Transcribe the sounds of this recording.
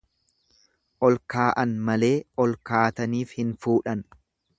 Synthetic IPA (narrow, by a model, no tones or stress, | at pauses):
ʔɔlkaːʔɐnmɐle̞ːɔlkaːt̪ɐniːfhɪnfuːᶑɐn